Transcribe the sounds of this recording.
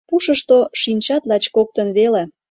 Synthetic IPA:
puʃə̆ʃt̪oʃinʲt͡ɕɑt̪lɑt͡ɕkok̚t̪ə̆nβele

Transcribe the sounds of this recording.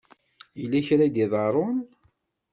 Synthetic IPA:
jəlːæçɾad̪iðˤɑɾˤʊn

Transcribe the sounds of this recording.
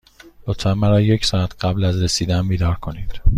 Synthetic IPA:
lot̪fænmæɾɒːje̞csɒːæt̪ʰɢæblæzɾesiːd̪æmbiːd̪ɒːɾkʰo̞niːd̪̥

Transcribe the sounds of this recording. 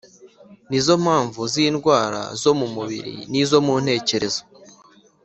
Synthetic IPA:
nizo̞m̥haːɱvuziːnɡwaːɾa̰zo̞mumuβḭɾḭnizo̞mun̥e̞ːce̞ɾe̞zo

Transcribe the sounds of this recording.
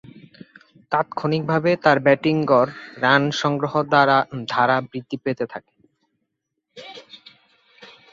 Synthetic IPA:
kat̪kʰonik̚bʱabet̪aɾbɛʈiŋɡɔɾːanʃɔŋɡɾoɦoɾd̪aɾad̪ʱaɾabɾid̪ːipet̪et̪ʰake̥

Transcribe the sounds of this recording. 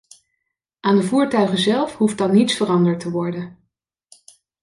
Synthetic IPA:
ʔaːndəvuːɹtœɥχəzɛlˠfɦuft̚dɑnːitsfərɑndəɹtəʋɔɹdən

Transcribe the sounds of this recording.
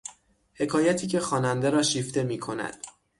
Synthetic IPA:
he̞kʰɒːjæt̪ʰiːcʰe̞xɒːnænd̪e̞ɾɒːʃift̪e̞miːkʰo̞næ̰d̪̥

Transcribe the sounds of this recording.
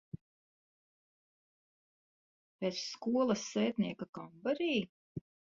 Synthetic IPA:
pet̪sskuɔlˠɐsːɛːt̪niɛkakambaɾiː

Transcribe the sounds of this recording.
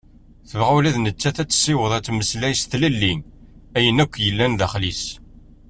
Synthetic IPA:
θəvʁæwlæðnət͡sːæθæt͡sːsːɪwəðˤæt͡sːməslæjsθlælːin | æjənækʷːjəlːænðæχlis

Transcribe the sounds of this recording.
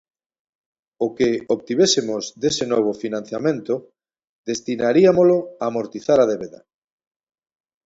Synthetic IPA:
okeoβt̪iβesemozd̪esenɔβ̞ofinãn̟θjamẽnt̪o | d̪est̪inaɾiamoloaːmoɾt̪iθaɾað̞eβeða̰

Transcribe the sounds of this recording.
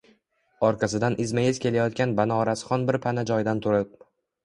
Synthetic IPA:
ɒɾqʰɑsɪd̪anʔɪzmajɪz̥kʲe̞lajɒt̪̚kʲanbanaɒɾasɪ̥χɒnbɪɾpʰanad͡ʒɒjd̪ant̪ʰʊɾɪp̚

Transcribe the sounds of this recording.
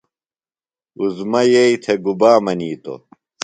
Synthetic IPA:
uzmɐjeit̪ʰeɡubaːmɐniːt̪o̰

